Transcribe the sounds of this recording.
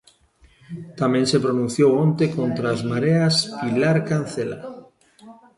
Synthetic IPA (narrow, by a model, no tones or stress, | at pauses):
t̪amensepɾonũn̟θjowont̪ekont̪ɾazmaɾeaspilaɾkan̟θela̰